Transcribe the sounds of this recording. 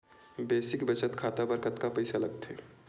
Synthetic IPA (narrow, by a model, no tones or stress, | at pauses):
beːsɪkbət͡ʃət̪kʰaːt̪abəɾkət̪kapɐɪsalɐɡt̪ʰɛː